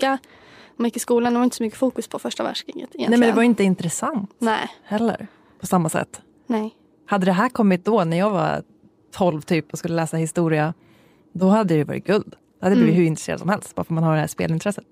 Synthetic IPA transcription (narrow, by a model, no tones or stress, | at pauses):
a | nmanjɪkːɪskuːland̪ɛvaɾʏɪnt̪əsɔmʏkːəfuːkɵspʰɔfœʂʈavæ̰ʂknɪŋə̰t̪ɪjɛnɛmɛnɛɛvaɾjɪnt̪əɪnt̪ɾɛsant̪nɛhɛlːə̰ɾ | pʰɔsamːasɛ̰t̪ː | nɛ | had̪ːəd̪ɛɦæːɾkʰɔmːɪt̪̚d̪ɔnæɾjɑːɡva̰ | t̪ʰɔlvt̪ʰyːpɔskɵlːəlɛːsahɪst̪uːɾɪa | d̪ɔhad̪ːəjjʏvɑ̰ːɾɪ̰t̪ɡ̥ɵld̪ | d̪̥ɛhad̪ːəbliːvɪhɵɾɪnɾɛsḛːɾ̰ad̪sɔmhɛlst̪va̰ɾfœmanhaɖɛdæʂpḛːlɪnt̪ʰɾɛsːət̪